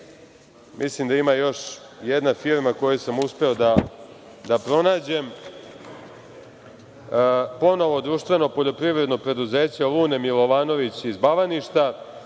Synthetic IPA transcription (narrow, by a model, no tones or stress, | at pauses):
mʔislimd̪aimajo̞ʃ | jɛd̪nafiɾmako̞jusamuspe̞od̪a | d̪apɾo̞naːd͡ʑe̞m | po̞no̞ʋo̞d̪ɾuʃt̪ʋe̞no̞po̞ʎo̞pɾiʋɾeno̞pɾe̞d̪uze̞ːt͡ɕelˠuːne̞milˠo̞ʋaːno̞ʋit͡ɕizbaʋaniʃt̪a